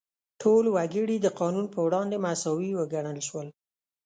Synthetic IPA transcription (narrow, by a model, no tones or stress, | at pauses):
ʈʰolwaɡiɽid̪əqɑnunpəwɽɑnd̪emasɑwiwəɡaɳəlʃwəl